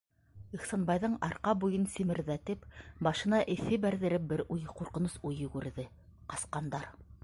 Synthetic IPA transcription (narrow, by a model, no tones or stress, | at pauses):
iχsɑnbɑjðɤɴɑɾqɑbujɤnsimɘ̆ɾðæt̪ɘpbɑʃɤ̆nɑʔɘ̆θɘbæɾðɘ̆ɾɘp̚bɘɾʔujquɾqɤ̆nɤsujɘ̆ɡʉɾðɘ | qɑsqɑnd̪ɑɾ